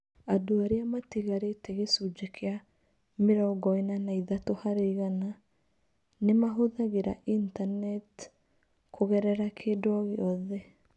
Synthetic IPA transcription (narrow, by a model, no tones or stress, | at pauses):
adoaɾeamatiɣaɾetɛɣesud͡ʒekʰea | meɾɔːɡɔenanaiðatohaɾeiɣana | nemaɦoðaɣeɾaʔintanɛt | kʰoɣɛɾɛɾakʰeːdwɔɣeɔðɛ